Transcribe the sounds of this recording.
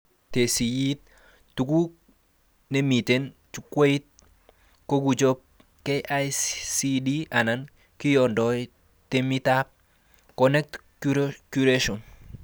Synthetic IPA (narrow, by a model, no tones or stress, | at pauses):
tesijit̪̚ | tuku | nemiten | t͡ʃukweit̪̚ | kokud͡ʒop̚ | keʔajsidianan | kijɔndɔj | temitap̚ | kɔnɛk̚tkukuɾeʃɔn